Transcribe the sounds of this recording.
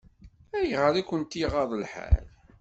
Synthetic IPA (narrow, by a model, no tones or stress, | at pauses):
æjəʁəɾækʷːənt̪iʁɑðˤəlħaæ̰l